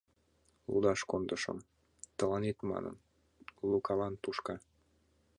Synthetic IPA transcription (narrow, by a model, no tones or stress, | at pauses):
lṵd̪ɑʃkond̪əʃɤ̰m | t̪ə̆lɑnet̪mɑ̰nə̰n | lukɑlɑnt̪uʃkɑ